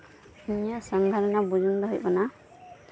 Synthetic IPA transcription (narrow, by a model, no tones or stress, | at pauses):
injasɔŋɡ̪ʱaɾɔnabud͡ʒundɔɦujkɔna